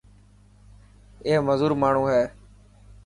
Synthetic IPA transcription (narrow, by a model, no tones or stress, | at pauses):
eːɦməzuːɾmaːɳ̤ũːɦɛː